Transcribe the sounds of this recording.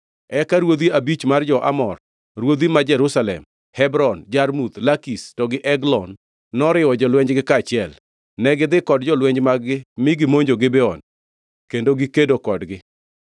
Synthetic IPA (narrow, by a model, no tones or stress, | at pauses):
ɛkaɾwod̪iabit͡ʃmard͡ʒɔʔa̰mɔr | ɾwod̪imad͡ʒɛɾusalɛ̰m | hɛbɾɔnd͡ʒarmud̪lakistɔɡɪʔɛɡlɔnː | ɔɾɪwɔd͡ʒɔlwɛɲd͡ʒɡɪkat͡ʃɪɛl | nɛɡɪd̪ɪkɔdd͡ʒɔlwɛɲd͡ʒmaɡɪmɪɡɪmoɲd͡ʒoɡɪbɛɔn | kendoɡikedokɔdɡɪ